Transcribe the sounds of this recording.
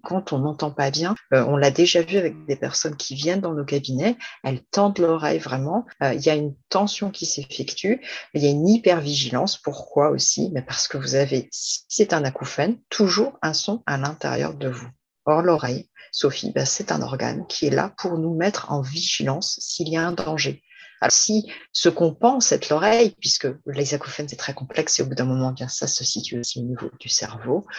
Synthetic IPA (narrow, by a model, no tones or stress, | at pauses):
kɑ̃t̪ɔ̃nɑ̃t̪ɑ̃pabjɛ̃øʔɔ̃lad̪eʒavyavɛk̚d̪epɛʁsɔnkʲʰivjɛnd̪ɑ̃nokabinɛɛlt̪ɑ̃d̪lɔʁɛ̰jvʁɛmɑ̃øiljaynt̪ɑ̃sjɔ̃kʲisefɛkt̪ʰyiljaynipɛʁviʒilɑ̃spuʁkwao̰sḭmɛpaʁsə̥kəvuzavesi̥sɛt̪ɛ̃nakufant̪ʰuʒuːʁɛ̃sɔ̃alɛ̃t̪ḛʁjœ̰ʁd̪əvu | ɔʁlɔʁɛjsofḭbasɛt̪ɛ̰̃nɔ̰ʁɡa̰nkʲʰiɛla̰pʰuʁnumɛt̪χɑ̰̃viʒilɑ̃sːiːljaɛ̃d̪ɑ̃ʒe | a̰lɔʁsisəkɔ̃pɑ̃sɛt̪ʰlɔʁɛjpɥiskəlɛzakufanɛt̪χɛkɔ̃plɛkseobud̪ɛ̃mɔmɑ̃bjɛ̃sasəsit̪ʰɥosionivo̰d̪̥ysɛ̰ʁvo